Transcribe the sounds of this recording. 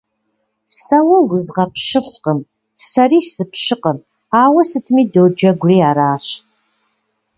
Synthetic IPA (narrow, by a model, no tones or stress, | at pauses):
sɐwɐwʷʊzʁɐpʰʃɪɬqəm | sɐriːʃsɨpʰɕɨqəm | aːwɐsɨtʰɨmiːdowd͡ʒɐɡʷʊriːaːɾaːɕ